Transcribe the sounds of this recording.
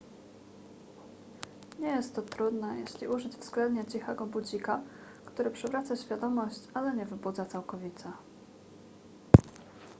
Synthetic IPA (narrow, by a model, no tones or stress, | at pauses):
ɲɛjɛst̪ːɔt̪ɾud̪najɛ̰ɕlʲiʔuʐɘd͡ʑvz̥ɡlɛnd̪ɲat͡ɕixɛɡɔbud͡ʑika | kt̪uɾɘpʂɛvɾat̪saɕfʲjad̪ɔmɔɕt͡ɕalɛɲɛvɘbud̪zat̪sawkɔvʲit̪sa